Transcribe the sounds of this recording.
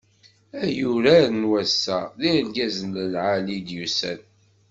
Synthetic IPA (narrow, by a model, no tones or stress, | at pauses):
æjuɾæɾnwæsːæðilɡæzənləlʕalid̪jusæ̰n